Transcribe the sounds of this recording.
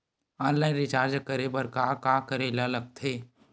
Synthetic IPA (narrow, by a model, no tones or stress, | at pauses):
ɔ̃ːnlaːɪ̃nɾɪt͡ʃaːɾd͡ʒəkəɾebəɾkakaːkəɾelalɐɡ̚t̪ʰeː